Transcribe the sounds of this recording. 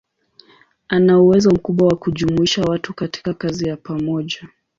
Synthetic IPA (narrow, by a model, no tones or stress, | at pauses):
anauwɛzɔm̩kuɓwawakuʄumuiʃawatukati̥kakazijapamɔʄa